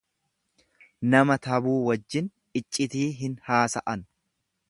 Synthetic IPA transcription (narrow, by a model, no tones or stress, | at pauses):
nɐmɐt̪ɐbuːwɐd͡ʒːɪn | ɪt͡ʃʼːɪt̪iːɦɪnhaːsɐʔɐn